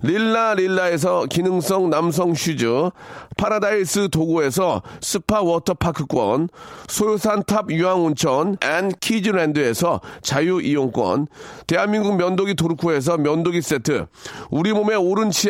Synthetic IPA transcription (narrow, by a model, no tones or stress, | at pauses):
liɭːaɾilːae̞s̬ʰʌkinɯŋs͈ʌŋnams̬ʰʌŋɕʰid͡ʑɯpʰaɾadais͈ɯtoɡoe̞s̬ʰʌs͈ʰɯpʰawʌtʰʌpʰakʰɯk͈wʌ̰nsʰojosʰantʰabjuɦaŋunt͡ɕʰʌnankʰid͡ʑiɾendɯe̞sʰʌt͡ɕajuʔijoŋk͈wʌ̰nte̞ɦanmiŋɡuŋ̚mjʌndoɡitoɾukʰoɦe̞s̬ʰʌmjʌndoɡis͈etʰɯ̰uɾimome̞oɾɯnt͡ɕʰi